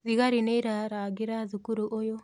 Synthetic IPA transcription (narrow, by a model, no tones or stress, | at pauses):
ziɡaɾinejɾaɾaɡiɾazukuɾuʔɔjɔ